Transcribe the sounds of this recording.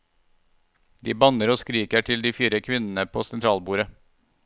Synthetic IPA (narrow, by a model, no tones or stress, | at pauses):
d̪iːbɑnəɾoːskɾiːkəʈʰɪld̪iːfiːɾəkʰʋɪnn̩əpʰoːsɛnt̪ʰɾɑːlbuːɾə